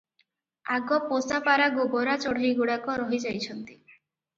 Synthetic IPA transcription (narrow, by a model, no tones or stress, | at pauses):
aɡɔposapaɾaɡobɔɾat͡ʃɔɽ̤ɾiɡuɽakɔɾɔɦid͡ʒajt͡ʃʰɔnt̪i̥